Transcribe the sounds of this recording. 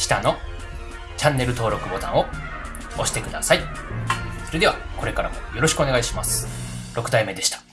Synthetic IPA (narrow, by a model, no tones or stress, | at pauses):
ɕi̥t̪ano̞ | t͡ɕãnːe̞ɾɯ̟t̪o̞ːɾo̞kɯ̟bo̞t̪ã̰ɰ̃o̞ | oɕi̥t̪e̞kɯ̟d̪asai | so̞ɾe̞d̪e̞βako̞ɾe̞kaɾamojo̞ɾo̞ɕi̥kɯo̞neɡaiɕimasɨ̥ | ɾʔo̞kɯ̟d̪aime̞d̪e̞ɕi̥t̪ḁ